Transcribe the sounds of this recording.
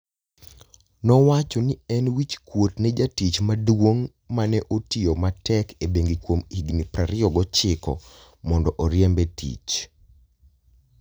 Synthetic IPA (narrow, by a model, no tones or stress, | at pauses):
nɔwat͡ʃɔniɛnwit͡ʃkwotned͡ʒatit͡ʃmadwoŋ | manɛʔotiomatɛkebeŋɡikwomiɡnipɾaɾɪɔɡɔt͡ʃɪkɔ̰ | mɔndɔʔɔɾjɛmbɛtḭt͡ʃ